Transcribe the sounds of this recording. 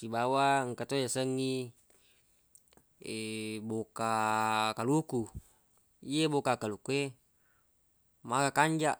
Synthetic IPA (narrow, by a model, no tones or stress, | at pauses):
kibawaəŋkat̪ojasəŋːi | ebokakaluku | iebokakalukue | makakaɲd͡ʒaʔ